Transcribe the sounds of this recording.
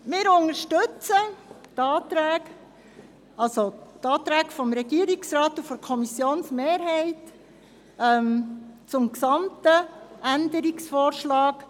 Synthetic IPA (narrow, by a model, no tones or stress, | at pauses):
mɪːɾʊŋəɾʃtɵt͡sət̪ɑːt̪ɾæːk | ɑlsotɑːt̪ɾæːkfɔmɾɛɡiəɾiksɾɑːt̪ufɔɾkʰɔmisjoːnsmeːɾɦɛɪt | ɛmt͡sʊmksɑmt̪əænd̪əɾiksfɔːɾʃlɑːk